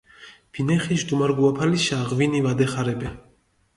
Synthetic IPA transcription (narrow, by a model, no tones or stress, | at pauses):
b̥inɛχiʃd̪umaɾɡuapʰaliʃaʁvinivad̪ɛχaɾɛbɛ